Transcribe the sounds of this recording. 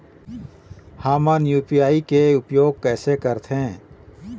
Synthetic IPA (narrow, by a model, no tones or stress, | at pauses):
haːmãnjuːpijaːikeʊpjoːɡ̚kɛːsekəɾt̪ʰẽː